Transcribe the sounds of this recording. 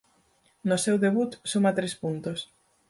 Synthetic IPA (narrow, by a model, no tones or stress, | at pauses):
nosewðeβut̪sumat̪ɾespunt̪os